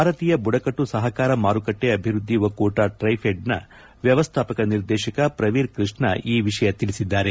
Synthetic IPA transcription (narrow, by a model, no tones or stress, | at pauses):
bʱaːɾɐt̪iːjɐbuɽɐkɐʈːusɐɦɐkaːɾɐmaːɾukɐʈːeɐbʱiɾud̪ʱːiʋɐkuːʈaːʈɾɐjpʰeɖnɐ̰ | ʋjɐʋɐst̪ʰaːpɐkɐniɾd̪ɛːʃɐkɐpɾɐʋiːɾkɾiʂɳɐʔiːʋiʂɐjɐt̪ilisid̪ːaːɾe̞